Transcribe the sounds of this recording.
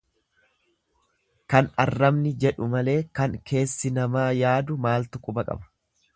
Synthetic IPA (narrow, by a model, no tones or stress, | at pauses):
kɐnɐrːɐmnɪd͡ʒɛᶑʊmɐle̞ːkɐŋkʰe̞ːsːɪnɐmaːjaːd̪ʊmaːlt̪ʊkʼʊbɐkʼɐ̰bɐ̥